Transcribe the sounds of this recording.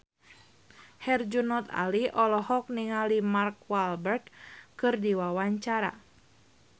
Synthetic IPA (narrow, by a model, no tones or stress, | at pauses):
hɛrd͡ʒunɔt̪a̰liʔɔlɔhɔk̚niŋalimarkwalbərkːkɨrdiwawaɲt͡ʃaɾa̰